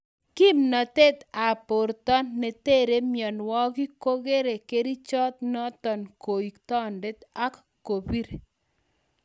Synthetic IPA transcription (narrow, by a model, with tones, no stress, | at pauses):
ki˦mnɔ˨t̪e˦t̪a˨po˨ɾt̪ɔ˦nːe˨te˦ɾe˦mjɔ˨nwɔ˦ki˦ko˦ɡe˦ɾe˨ke˦ɾi˦t͡ʃɔ˦t̪̚nɔ˦t̪ɔ˨nko˨i˨kt̪ɔ˦nde˦t̪a˦k | kːo˨bi˦ɾe